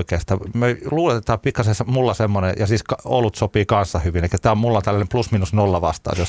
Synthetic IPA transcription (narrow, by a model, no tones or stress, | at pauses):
ikeːst̪ɑːmøluːlet̪et̪ɑːpikːɑsesmulːɑsemːonḛjɑsiːskɑo̰lut̪sopiːkɑnsːɑhyʋineˑikæt̪æːommulːont̪ælːænemplusminusnolːɑʋɑ̰st̪ɑ̰ːt̪jos